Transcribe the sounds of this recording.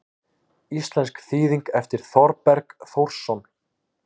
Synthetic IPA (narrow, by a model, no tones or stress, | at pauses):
ist̪lɛnskθiːðiŋkɛft̪ɪɾ̥θɔɾpɛɾkθowɾ̥sːɔn